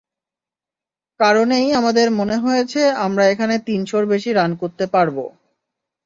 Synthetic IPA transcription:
kaɾonejamad̪eɾmoneɦojet͡ɕʰeamɾaekʰanet̪inʃoɾbeʃiɾankoɾt̪epaɾbo̰

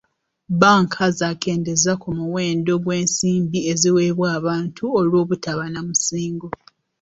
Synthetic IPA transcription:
βaːŋkʰazaːkʰe̞ːnde̞zakumuweːndo̞ɡwe̞ːnsiːmbieziweːβwaːβaːntʰuolwo̞ːβutaβanamusiːŋɡo

